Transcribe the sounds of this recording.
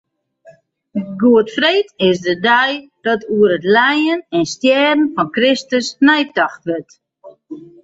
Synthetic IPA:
ɡuətfreːtɪsdədɛj | d̥ɔtuəɾətlɛjənɛnstjɛːdən̩fɔnkrɪstəsnɛjtaxtʋət

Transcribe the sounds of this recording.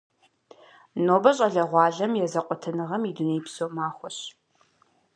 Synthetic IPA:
noːbɐɕʼɐɮɐʁʷɑːɮɐmjɛzɐqʷʼɔtʰɨnɨʁɐmidunejpsoːmaːχʷɔɕ

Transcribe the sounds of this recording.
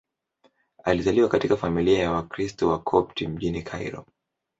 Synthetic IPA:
alizaliwakatikafamiliajawakɾistɔwakʰɔptim̩ʄinikʰa̰ḭɾɔ̰

